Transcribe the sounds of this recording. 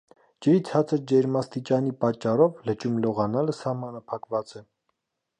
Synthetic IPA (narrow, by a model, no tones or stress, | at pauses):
d͡ʒəɾit͡sʰɑt͡sʰəɾd͡ʒɛɾmɑst̪it͡ʃɑnipɑt͡ʃːɑɾɔvlət͡ʃumlɔʁɑnɑləsɑhmɑnɑpʰɑkvɑt͡sɛ